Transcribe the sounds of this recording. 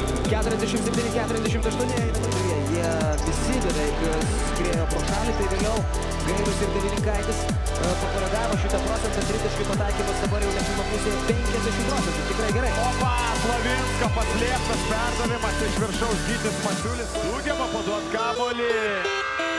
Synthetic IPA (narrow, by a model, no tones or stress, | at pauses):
kʲæːt̪ʊɾʲɛzʲd̪ʲæʃʲɪmt̪ʲɛd̪ʲnʲɪkʲæːt̪ʊɾʲɛzd̪ʲæɛʃ̬ʲɪmt̪ɐʃt̪uɔnʲɪɐɪnɐnɐk̪ʲʊʋʲiɛjiɛ | bʲɪsʲɪd̪ʲɐdɐ | ɪr | kɾʲeːjoːpɐʃɑːlʲɪt̪ɐɪʋʲeːlʲɛʊ | ɡɐɪɾʊsɪrɾd̪ʲɛʋʲiːnʲɪkɐɪt̪ʲɪs | pɐkolʲɛɡ̪ɑːʋʲɪmɐʃʲɪt̪ɐpɾoːt͡sʲɛnt̪ɐt̪ʲɾʲɪzd̪ʲɛʃkʲɪpɐt̪ɐɪkʲiːmɐsd̪ɐbɐɾjɛʊnʲɛsʲɪmɐplˠuːsʲeːjpʲɛŋʲkʲkʲɛzʲd̪ʲæʃʲɪmpɾoːt͡s̪ʲɛ̃nt̪ʊt̪ʲɪkɾɐɪɡʲɛɾɐɪoːpɐslˠɐʋʲɪnskɐpɐsʲlʲeːpt̪ɐspʲærd̪ɐʋʲemɐt̪ʲɪɪʃʋʲɪrʃɐʊsɡʲiːt̪ʲɪsmɐt͡ʃʲuːlʲɪs | uːɡʲɛmɐpoːt̪uɔskɑːboːlʲɪ